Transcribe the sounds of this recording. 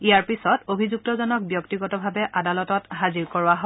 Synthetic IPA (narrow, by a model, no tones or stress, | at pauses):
ijaɹpisɔtobʱizuk̚tɔzɔnɔk̚bjɔktiɡɔtɔbʱabɛʔadalɔtɔtɦaziɹkɔɹʊwaɦo